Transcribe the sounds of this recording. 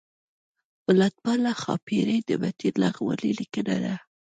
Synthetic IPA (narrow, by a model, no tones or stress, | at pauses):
wəlat̪̚pɑlaxɑ̰piɾəjd̪əbat̪iɾlaɣwə̰lilikəna̰d̪a